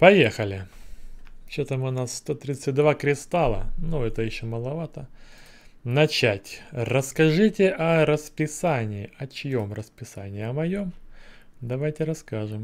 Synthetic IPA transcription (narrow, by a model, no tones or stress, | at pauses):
pɐjexəlʲɪ | t͡ɕet̪əmʊnasːt̪ot̪ɾʲit̪sɨt̚ʲd̪vakɾʲɪst̪alˠə̰nuɛt̪əjɪɕːoməlˠɐvat̪ə | nɐt͡ɕætʲrəskɐʐɨtʲɪʔɐɾəspʲɪsanʲɪːɪʔɐt͡ɕɪjo̞mrəspʲɪsa̰nʲɪːɐmɐjo̞m | d̪ɐvajtʲɪɾɐskaʐɨm